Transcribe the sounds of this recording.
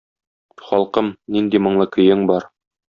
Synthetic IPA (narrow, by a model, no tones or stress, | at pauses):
χɒlˠqɤmnind̪imŏɴlˠɤkɵ̆jɘŋbɒɾ